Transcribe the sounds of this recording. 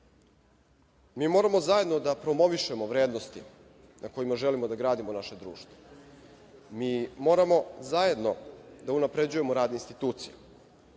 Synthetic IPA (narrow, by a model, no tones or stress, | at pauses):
miːmo̞ːɾamo̞zaje̞d̪no̞d̪apɾo̞mo̞ʋiʃe̞mo̞ʋɾeːd̪no̞st̪ḭ | nʔako̞jimaʒelimo̞d̪aɡɾaːd̪imo̞naʃe̞d̪ɾṵːʃt̪vo̥ | miːmo̞ːɾamo̞zaje̞d̪no̞d̪aunapɾe̞d͡ʑuje̞moɾaːd̪neinst̪it̪uːt̪sije